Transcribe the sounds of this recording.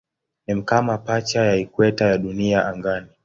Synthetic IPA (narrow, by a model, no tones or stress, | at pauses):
ɛm̩kamapat͡ʃajaikwɛtajaɗuniaʔaŋɡani